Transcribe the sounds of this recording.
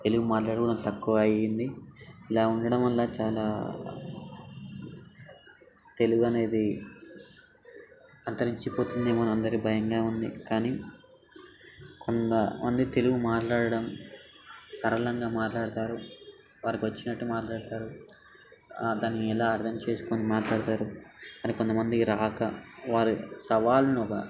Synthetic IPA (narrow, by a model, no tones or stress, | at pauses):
t̪e̞luɡumaːʈlaːɽukuɽɐnt̪ɐkːuʋɐːjind̪iilaːuɳɖɐɽɐmʋɐlːaːt͡ʃaːlaː | t̪e̞luɡuɐne̞ːd̪i | ɐnt̪ɐɾiɲt͡ʃipo̞ːt̪und̪eːmɐnɐmɐnd̪ɐɾibʱɐjɐŋɡaːund̪ḭkaːniː | kʰont̪ɐmɐnd̪it̪e̞luɡumaːʈlaːɽɐɽɐm | sɐɾɐlɐŋɡaːmaːʈlaːɽɐt̪aːɾu | ʋaːɾikiʋɐt͡ʃːinɐʈːumaːʈlaːɽt̪aːɾu | d̪aːniɛlaːɐɾt̪ʰɐmt͡ʃe̞ːsu̥konimaːʈlaːɽt̪aːɾumɐnikont̪ɐmɐnd̪iɾaːkɐʋaːɾisɐʋaːlunɔkɐ̰